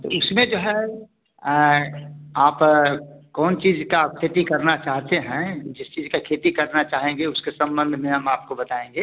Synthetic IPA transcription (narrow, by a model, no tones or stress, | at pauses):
t̪o̰ʊsmẽd͡ʒoːɦɛ | aːp | kɔːnt͡ʃiːzkakʰet̪ikɐɾnat͡ʃaːɦt̪eɦɛ̃d͡ʒɪst͡ʃiːzkakʰeːt̪ikɐɾnat͡ʃaːɦẽŋɡeʊskesɐ̃mbə̃nd̪ʱmẽɦɐmaːp̚kobɐt̪aːẽːŋɡeː